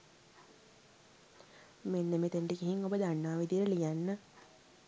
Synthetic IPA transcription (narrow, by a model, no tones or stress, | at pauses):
menːemet̪eɳɖiɡiɦiŋobəd̪anːaːʋid̪ijəɾəlijanːə